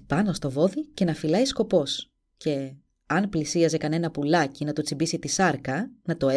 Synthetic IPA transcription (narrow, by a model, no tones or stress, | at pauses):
pɐno̞st̪o̞vo̞ðice̞nɐfilɐisko̞po̞s | ce̞ | ɐnplisiɐzekɐne̞nɐpulɐcinɐt̪ut͡sibisit̪isɐɾkɐnɐt̪o̞e